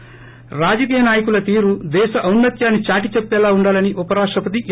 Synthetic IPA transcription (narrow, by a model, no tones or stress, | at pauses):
ɾaːd͡ʒɐk̬iːjɐnaːjɐkulɐt̪iːɾud̪ɛːʃɐʔɐwnːɐt̪jaːnːit͡ʃaːʈit͡ʃepːɛːlaːuɳɖaːlɐniʔupɐɾaːkʂʈɐpɐt̪̬iʔ